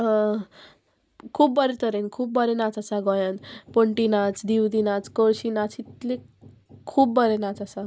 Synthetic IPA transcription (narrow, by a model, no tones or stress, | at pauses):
kʰuːbbəɾet̪əɾenkʰuːp̚bəɾenat͡sasaɡɔjanpoɳʈinat͡sd̪iwd̪inat͡skoɾsinat͡sit̪le | kʰuːbbəɾenat͡sasa